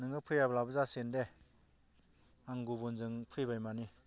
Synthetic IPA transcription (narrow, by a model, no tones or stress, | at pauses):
nɯŋɯpʰɯjablabɯzasende | aŋɡubunzɯŋpʰɯjbajmani